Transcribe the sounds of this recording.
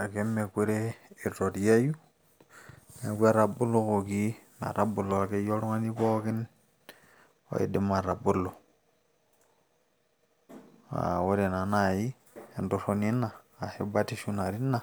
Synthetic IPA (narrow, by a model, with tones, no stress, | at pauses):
a˨ke˦mːe˨kʷe˦ɾe˦i˨to˨tja˦ju˦ | me˨ɡʷe˦ɾa˨bu˦lːo˦ko˨ɡi˦na̰˨ɾa˨bu˨lːo˨a˨ke˦jo˦ɾu˦ŋa˦ni˦bo˦ki˦n | o̰˦ḛ˨de˦ma˨ɾa˨bu˦lːo˨ | a̰˨we˦ɾe˨na˨na˨ji˦ | e˨ndo˨so˦ni˦nːa˨a˨he˦ba˦ti˦ʃu˦na˨ɾi˦nːa˨